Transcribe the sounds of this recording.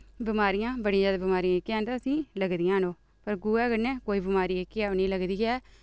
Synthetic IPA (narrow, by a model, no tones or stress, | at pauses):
bɪmaːɾijãːbəɽĩːãːd͡ʒaːd̪eːbɪmaːɾiãːekːɛːnt̪aːəsĩːləɡd̪ɪjãːnoː | pəɾɡuːɛːɡənːɛ̃ːkoːiːbɪmaːɾiːekːeɛːonĩːləɡd̪iːɛː